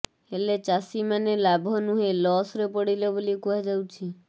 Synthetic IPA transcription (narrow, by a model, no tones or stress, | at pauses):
elet͡ʃasimanelabʱɔnuɦelɔsɾepɔɽilɔbolikuɦad͡ʒawt͡ʃʰi